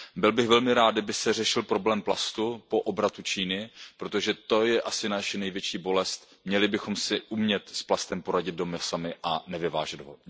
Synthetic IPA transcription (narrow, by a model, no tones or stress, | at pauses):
bɪlbɪɣvɛlmɪɾaːd̪dabɪsɛr̝ɛʃɪlpɾo̞blɛːmplast̪upo̞ʔobɾat̪ut͡ʃiːnɪpɾot̪o̞ʒɛt̪o̞jɛʔasɪnaʃɛnɛjvjɛt͡ʃiːbo̞lɛst̪ | mɲɛlɪbɪxo̞msɪʔumɲɛt̪splast̪ɛmpo̞ɾaɟɪd̪̚do̞mɛsamɪʔanɛvɪvaːʒɛd̪ɦo